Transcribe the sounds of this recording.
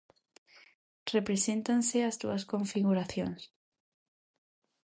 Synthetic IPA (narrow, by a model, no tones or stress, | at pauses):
repɾesent̪anseazd̪ṵaskoɱfiɣuɾaθjo̰ns